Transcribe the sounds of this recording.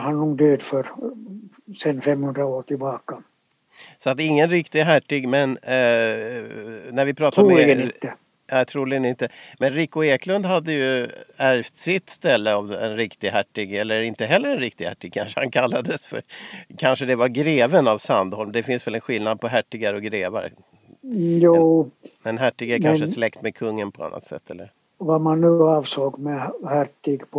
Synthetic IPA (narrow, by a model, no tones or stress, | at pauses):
hɑnnuːnd̪øːd̪før | senfemhʉnd̪ɾɑuːt̪ibɑːkːɑ | sɔat̪ɪŋːənɾɪkt̪ɪɡɦæʈːɪɡmɛn | næɾvɪpʰɾɑːt̪amɛlɡəit̪ːə | aːt̪ʰɾuːlɪɡənɪnt̪ːəmɛnɾɪkːʊeːklɵnd̪ɦad̪ːəjɵæɾft̪sɪt̪ːst̪ɛlːəɔmɛ̰nɾɪkt̪ɪɡɦæʈːɪɡɛlːəɾɪnt̪əɦɛlːəɾɛnɾɪk̚t̪ɪɡhæʈːɪɡ̚kʰa̰nʂəhankʰalːad̪əsfœ̰ɾkʰanʂəd̪ɛvaɾɡɾeːvənavsand̪hɔlmd̪ɛfɪnsvɛlɛnɧɪlnad̪̚pʰɔɦæʈːɪɡaɾɔɡɾeːva̰ɾ | juːɛnɦæʈːɪɡɛɾkʰanʂəslɛkt̪mɛkʰɵŋːənpʰɔa̰nːa̰t̪sɛ̰t̪ʰːɛ̰lːəɾ | vamanːʉɑːvsoːɡmɛhæʈːɪɡpʰ